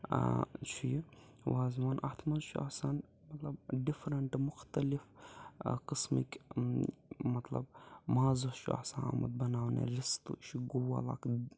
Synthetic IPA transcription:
t͡ʃʰij | waːzmanʔat̪ʰmɐnʃʰua̰san | mɐt̪lɐbɖifɾɐɳʈmʊxt̪ɐlif | qɨsmikʲ | mɐt̪lɐ̰bmaːzuʃua̰sana̰mɐ̰d̪̚bɐnaːwnḛɾist̪ṵʃiɡuwa̰la̰k

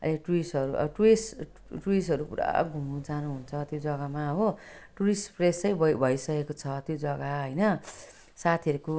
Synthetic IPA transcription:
ʌ̰leʈuisʌɾuʔʌ̰ʈues | ʈuis̬ɦʌɾupuɾa̰ɡʱumud͡zanuɦunt͡sʰʌt̪jod͡zʌɡamaʌbʌʈuɾispresʌjbʌbʱʌjsʌkekot͡sʰʌt̪jod͡zʌɡaɦʌjnʌ | sat̪ʰiʌɾuko

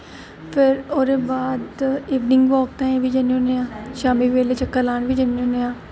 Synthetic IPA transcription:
pʰɪɾoːɾeːbaːd̪iːʋnɪ̃ŋɡʋɔːk̚t̪ãːẽːʋiːd͡ʒəniõneãːʃaːmiːʋeːleːt͡ʃəkːəlaːnʋiːd͡ʒəniõːnejãː

